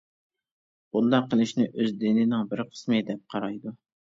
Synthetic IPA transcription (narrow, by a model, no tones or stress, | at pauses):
ulˠd̪ɑqʰəlˠɪʃnɪʔøzd̪ɪnɪnɪŋbɪɾqʰə̥smɨd̪ɛp̚qʰɑɾɑjd̪u